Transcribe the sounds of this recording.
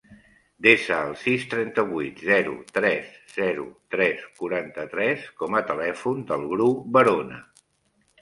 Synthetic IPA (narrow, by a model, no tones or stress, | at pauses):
d̪esəːlˠsist̪ɾɛnt̪əβujt̪zɛɾṵt̪ɾɛsz̥ɛɾṵt̪ɾɛskuɾant̪ət̪ɾɛskɔmət̪əlɛfund̪əlˠɣɾupbəɾonə̰